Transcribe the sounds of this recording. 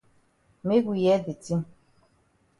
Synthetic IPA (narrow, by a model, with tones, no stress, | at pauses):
me˦ɡu˨jɛ˦de˨ti˦m